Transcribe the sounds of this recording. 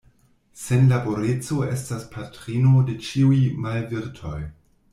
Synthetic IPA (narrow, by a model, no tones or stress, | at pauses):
se̞nlabo̞ɾet͡so̞e̞̰staspʰatɾino̞de̞t͡ʃiujmalviɾtʰo̞̰j